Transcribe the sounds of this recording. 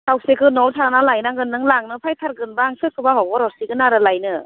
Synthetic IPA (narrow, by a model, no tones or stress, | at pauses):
tʰawsekʰɯnɔwtʰanalajnaŋɡɯnːɯŋlaŋnɯpʰajtʰaɾɡɯnbaːŋsʰɯkʰːɯbaɦɔwbɔɾɔɾsiɡɯnaɾɯlajnɯ